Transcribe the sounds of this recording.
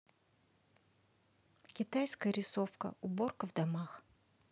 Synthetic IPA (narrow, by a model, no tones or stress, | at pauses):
kʲɪt̪ajskəjəɾʲɪsofkə̰ʊbo̞rkəvd̪amax